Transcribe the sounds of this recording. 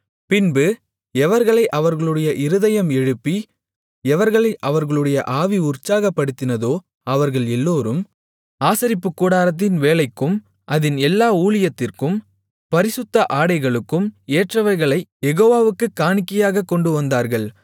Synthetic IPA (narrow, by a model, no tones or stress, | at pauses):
pɪnbɯ | ɛʋɐɾɣɐɭɐɪʔɐʋɐɾɣɐɭɯɽɐjɐʔɪɾɯðɐjɐmɛɻɯpːi | ɛʋɐɾɣɐɭɐɪʔɐʋɐɾɣɐɭɯɽɐjɐʔaːʋiʊrt͡ʃːaːɣɐpːɐɽɯt̪ːɪnɐðoː | ɐʋɐɾɣɐɭɛlːoːɾɯm | aːsɐɾɪpːɯkːuːɽaːɾɐt̪̬ːɪnʋeːlɐɪkːɯm | ʔɐðɪnɛlːaːuːɭɪjɐt̪ːɪrkɯm | pɐɾɪsɯt̪ːɐʔaːɽɐɪɣɐɭɯkːɯmeːʈrɐʋɐɾɣɐɭɐɪjɛɣoːʋaːʋɯkːɯkːaːnɪkːɐjaːɣɐkːɔɳɖɯʋɐnd̪aːɾɣɐɭ